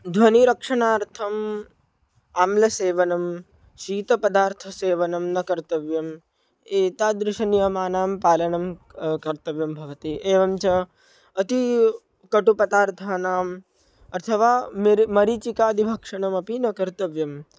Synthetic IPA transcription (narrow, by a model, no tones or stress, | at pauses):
d̪ʱʋɐniɾɐkʂɐɳaːɾt̪ʰɐm | aːmlɐseːʋɐnɐm | ʃiːt̪ɐpɐd̪aːɾt̪ʰɐseːʋɐnɐmnɐkɐɾt̪ɐʋjɐm | eːt̪aːd̪ɾɪʃɐnjɐmaːnaːmpaːlɐnɐmkɐɾt̪ɐʋjɐmbʱɐʋɐt̪iʔeːʋɐmt͡ʃɐ | ɐt̪i | kɐʈupɐt̪aːɾt̪ʰaːnaːm | ɐt̪ʰɐʋaːmɾmɐɾit͡ʃikaːd̪ʱibʱɐkʂɐɳɐmɐpinɐkɐɾt̪ɐʋjɐm